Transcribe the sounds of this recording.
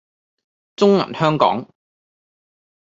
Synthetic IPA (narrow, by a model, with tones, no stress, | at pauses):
t͡sʊ˥ŋmɐ̰˨˩nhœː˥ŋkɔ̰ː˨˥ŋ